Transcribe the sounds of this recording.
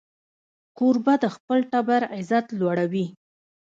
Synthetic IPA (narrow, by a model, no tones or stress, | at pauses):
koɾbad̪əxpəlʈabaɾazat̪lwaɽawi